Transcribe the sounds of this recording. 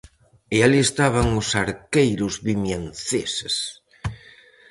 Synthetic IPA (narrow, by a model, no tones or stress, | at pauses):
ealiest̪aβ̞aŋʊsaɾkejɾʊzβimjanθeses